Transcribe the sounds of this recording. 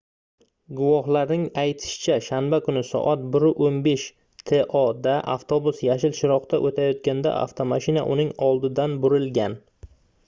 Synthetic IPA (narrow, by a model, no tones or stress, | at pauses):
ɡʊwɒhlaɾnɪŋajt̪ʰɪ̥ʃɪ̥t͡ʃʰaʃanbakʰʊnɪsɒ̰ʔat̪̚bɪɾʊʔonbe̞ʃ | t̪ʰe̞ʔɒd̪aʔaft̪ʰo̞bʊsjaʃɪlʃɪɾɒqt̪aʔot̪ʰajɒt̪kʲand̪a̰ʔa̰ft̪ʰomaʃɪna̰ʔʊnɪŋɒlˠd̪ɪd̪anbʊɾɪlɡʲan